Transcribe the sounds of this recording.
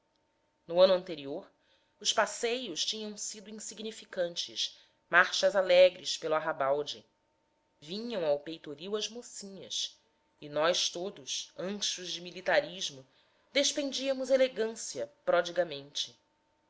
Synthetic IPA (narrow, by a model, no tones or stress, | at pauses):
nʊɐ̃nʊɐ̃nt̪eɾioɾ | ʊspasejʊst͡ʃĩɲɐ̃w̃sid̪ʊĩsiɡnifikɐ̃nt͡ʃɪʃ | maɾʃɐzalɛɡɾɪʃpelʊaɦabawd͡ʒɪ | vĩɲɐ̃w̃awpejt̪oɾiwɐzmosĩɲɐ̰s | inɔjʃt̪od̪ʊʃɐ̃ʃʊzd͡ʒɪmilit̪aɾiʒmʊ | d̪eʃpɾẽnd͡ʒiɐmʊzeleɡɐ̃siɐpɾɔd͡ʒiɡɐmẽnt͡ʃɪ̥